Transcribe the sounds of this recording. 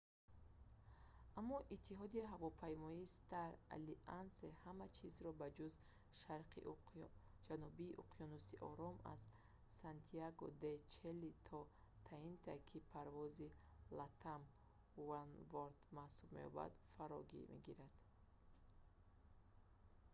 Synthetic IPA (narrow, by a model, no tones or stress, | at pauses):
amːɔʔit̪ʰːiɦɔd̪iɦavɔpʰajmɔiːst̪aɾa̰liʔansehamat͡ʃʰizɾɔbad͡ʒuz | ʃaɾqʰḭ | d͡ʒanubiːʔuqʰijɔnusiʔɔ̰ɾɔma̰z | sant̪ʰiaɡɔd̪et͡ʃʰelːit̪ʰɔ | t̪ʰaint̪ʰakʰipʰaɾvɔzilat̪ʰam | wanvoɾt̪mahsubme̞̰ɔ̰ba̰d̪faɾɔ̰ɡḭmḛɡiɾad̪̥